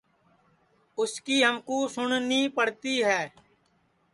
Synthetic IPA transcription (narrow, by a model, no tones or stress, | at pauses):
ʊskiːɦəmkoːsʊɳnĩːpəɽt̪iːɦɛː